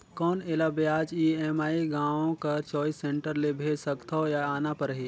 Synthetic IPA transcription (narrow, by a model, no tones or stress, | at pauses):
kɔːneːlabjaːd͡ʒiːɛːmaːiɡãːʋõkat͡ʃɔːisẽɳʈəɾlebʱeːd͡ʒsɐkt̪ʰajaaːnapɐɾəɦeː